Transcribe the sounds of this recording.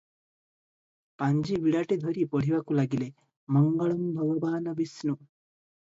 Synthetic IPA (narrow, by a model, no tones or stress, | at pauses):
paɲd͡ʒiʋiɽɐʈid̪ʱɔɾipoɽ̤iʋakulaɡile | mɐŋɡɐɭɐmbʱɐʋɐʋaːnɐbisnu